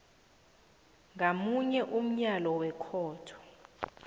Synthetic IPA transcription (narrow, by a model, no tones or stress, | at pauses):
ŋamuɲɛʔum̩ɲalɔwɛkʰɔːtʰɔ̥